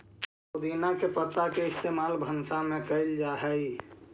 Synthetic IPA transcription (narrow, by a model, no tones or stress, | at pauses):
od̪inakepət̪akeɪst̪emalbʱənsamekəɪld͡ʒaɦɛj